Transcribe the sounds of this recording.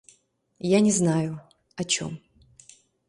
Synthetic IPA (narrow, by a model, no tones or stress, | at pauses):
janʲɪznajʊ | ɐt͡ɕo̰m